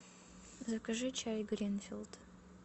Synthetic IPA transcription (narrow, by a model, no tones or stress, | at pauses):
zɐkɐʐɨt͡ʃʰajɡɾinfʲilˠd̪̥